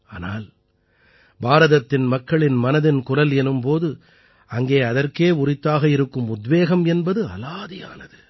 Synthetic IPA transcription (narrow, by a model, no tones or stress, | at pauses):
aːna̰ːl | baːɾɐðɐt̪ːɪnmɐkːɐɭɪnmɐnɐðɪnkʊrɐlɛnɯmpoːðɯ | ɐŋɡeːɐðɐrkeːʊrɪt̪ːaːɣɐɪɾɯkːɯmʊd̪ʋeːɣɐmɛnbɐðɯɐ̰laːðɪja̰ːnɐðɯ